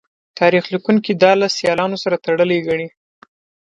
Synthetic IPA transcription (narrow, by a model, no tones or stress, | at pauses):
t̪ɑɾixlikuŋkid̪ɑlasjɑlɑnosaɾat̪aɽəleɡaɳi